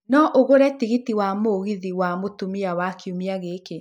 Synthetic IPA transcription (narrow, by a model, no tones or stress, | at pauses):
nɔʔoɣoɾɛtiɣitiwamoɣiðiwamotumiawakiumiaɣeke